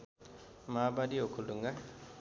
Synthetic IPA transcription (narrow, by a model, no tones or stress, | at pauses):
maːbadiokʰuluŋɡa